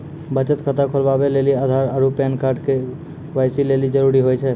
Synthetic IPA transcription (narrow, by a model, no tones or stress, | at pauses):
bət͡ʃət̪kʰət̪akʰolbabeleliad̪ʱaɾəɾupɛnkaɾɖke | ʋajsilelid͡ʒəɾuɾiɦojt͡ʃʰɛ